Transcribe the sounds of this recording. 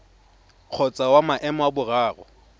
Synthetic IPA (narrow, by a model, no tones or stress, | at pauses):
q͡χʰɔt͡sʼawamaʔɛmɔabʊraːrɔ̰